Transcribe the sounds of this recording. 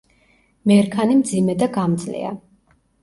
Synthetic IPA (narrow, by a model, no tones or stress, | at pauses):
mɛɾkʰanimd̪zimɛd̪aɡamd̪zlḭa̰